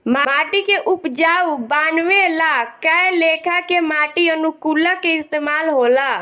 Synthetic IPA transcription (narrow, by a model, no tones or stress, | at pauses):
mamaːʈikeʔupd͡ʒaubaːnʋelakajlekʰakemaːʈiənukulakeɪst̪emaːlɦola